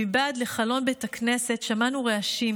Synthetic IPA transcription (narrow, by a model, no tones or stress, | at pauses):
ibaːd̪le̞χalo̞nbet̪akne̞se̞tʃamanuʁeaʃim